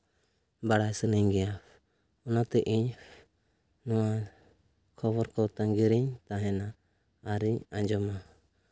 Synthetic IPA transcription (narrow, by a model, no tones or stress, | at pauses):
baɽajsəniɲɡɛjap | ɔnat̪ɛʔiɲ | nɔwa | kʰɔbɔɾkɔt̪aŋɡiɾiɲt̪aɦɛ̃naː | ɾiɲãɲd͡ʒɔma